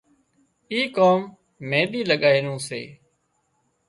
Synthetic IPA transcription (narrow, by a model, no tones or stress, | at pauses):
iːkoːmː | ẽːɗiːləɠaːɦɪnũːsḛː